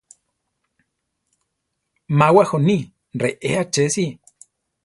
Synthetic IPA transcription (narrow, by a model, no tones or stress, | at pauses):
mawahoni | ɾeʔeat͡ʃesi